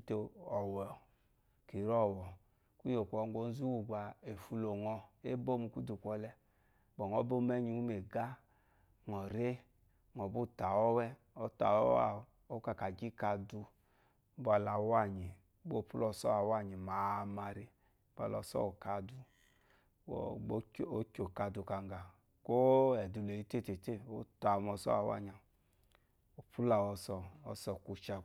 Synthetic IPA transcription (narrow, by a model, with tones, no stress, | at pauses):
te˧ɔ˨wɛ˨ | ki˨ɾɔ˦˨wɔ˨ | ku˦ɲo˨kʷɔ˧˨ŋ˦ɡo˧˦n˦zu˦wu˨ɡa˨e˨fu˧lo˨ŋɔ˧e˦bo˦mu˧ku˦du˨kʷɔ˧lɛ˧˦ | bɔ˨ŋɔ˨˦bo˦mɛ˦ɲi˨u˦me˨ɡa˦ | ŋɔ˨ɾe˦ | ŋɔ˨bu˦˨ta˨wɔ˦wɛ˦ | ɔ˦ta̰˨ɔ˦a̰˦˨ | o˦ka˨ka˨d͡ʒi˦ka˧du˧˦ | ba˧la˧˦wa˦˨ɲi˨˦ | ɡ͡bo˦˨pu˦lɔ˧sɔ˦a˨wa˦˨ɲi˨ma˨˧ma˧ɾi˦ | ba̰˧˨lɔ̰˧˨sɔ̰˦o˨ka˧du˧˨˦ | o˦kʲo˨ka˧du˧ka˧ŋɡa˨ | ko˦ɛ˨du˧le˨i˧˦te˦˨te˨te˦˨o˦ta˨˧mɔ˧sɔ̰˦a˨wa̰˦˨ɲ˨a˨ | o˨pʰu˦la˨wɔ˧sɔ˨ɔ˧sɔ˨ku˧t͡ʃa˧